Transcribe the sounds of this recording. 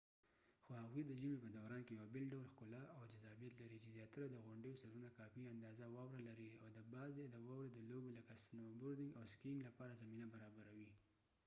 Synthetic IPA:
xohaɣwid̪əʒəmepəd̪awɾɑnkejawabɪlɖawlxkʊlaawd͡ʒazɑbijat̪laɾit͡ʃezjɑt̪aɾad̪əɣʊɳɖəjosaɾunakɑfiand̪ɑzawɑwɾalaɾiawd̪əbɑzed̪əwɑwɾed̪əloboləkasnobʊɾd̪ɪŋɡawskiŋɡlapɑɾazaminabaɾɑbaɾawi

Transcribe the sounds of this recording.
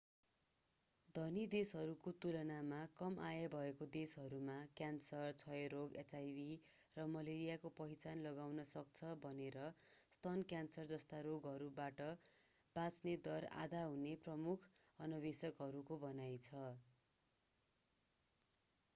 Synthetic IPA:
d̪ʱʌnid̪esɦʌɾukot̪uɾʌnamakʌmʔajʌbʱʌekod̪esɦʌɾumakjansʌrt͡sʰʌjɾoɡesajbi | rʌmʌleɾijakopʌɦit͡sanlʌɡawnʌsʌkt͡sʰʌbʱʌneɾʌst̪ʰʌnkjansʌrd͡zʌst̪aɾoɡɦʌɾubaʈʌ | b̥at͡sned̪ʌra̰d̪aɦuneprʌmukʰ | ʌnʌbesʌkɦʌɾukobʌnajt͡sʰʌ

